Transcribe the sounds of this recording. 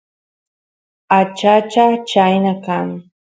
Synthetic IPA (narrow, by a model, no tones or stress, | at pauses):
at͡ʃat͡ʃat͡ʃajnakaŋ